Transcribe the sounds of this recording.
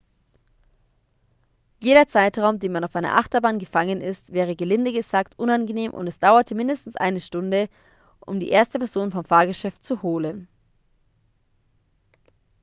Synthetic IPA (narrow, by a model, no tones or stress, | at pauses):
jeːɾɐt͡saɪtʁaʊmdeːnmanaʊfʔaɪnɐ̰ʔaχtɐbaːnɡəfaŋənɪstv̥ɛːʁ̞əɡəlɪndəɡəzaːktʔʊnanɡəneːmʔʊ̰ntɛsd̥aʊɐtʰəmɪndəstn̩sʔa̰ɪnəʃtʊndə | ʔʊ̰mdḭːʔeːɐstəpɛɐz̥oːnfɔmfaːɐɡəʃɛftt͡suhoːlən